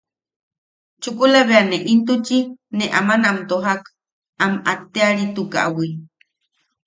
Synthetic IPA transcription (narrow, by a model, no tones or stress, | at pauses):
t͡ʃukulaβeaneʔint̪ut͡ʃineʔamanaamt̪oɦak | amat̪eaɾit̪uka̰ʔawi